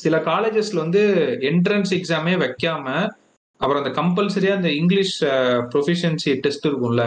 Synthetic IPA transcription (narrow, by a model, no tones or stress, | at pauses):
sɪlɐkaːleːd͡ʒɐsɪlʋɐnd̪ɯɪɳʈɾɐnsɛksaːmeːʋɐkːaːmɐ | ɐpɐɾõɐnd̪ɐkɐmpɐlsɐɾɪjaːɐnd̪ɐɪŋɡlɪʂpɾɔfɪʂɐnsiʈɛsʈɪɾɯkːɯŋlɐ